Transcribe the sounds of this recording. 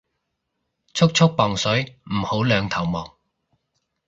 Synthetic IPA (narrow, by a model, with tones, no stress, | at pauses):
t͡sʰʊ˥k̚t͡ʃʰʊ˥k̚pɔː˨ŋsɵ˨˥jm̩˨˩ho˨˥wlœː˨˧ŋt̪ʰɐ˨˩wmɔː˨ŋ